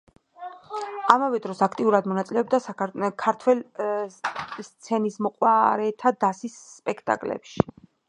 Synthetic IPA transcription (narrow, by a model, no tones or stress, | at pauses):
amavɛd̪ɾɔsakʰt̪ʼiuɾad̪mɔnat̪sʼilɛɔb̚d̪aakʰaɾt̪ʰwɛl | st̪sʰɛnismɔqʼwaɾɛt̪ʰad̪asisːpʼɛkʰt̪ʼa̰kʼlɛ̰pʃi̥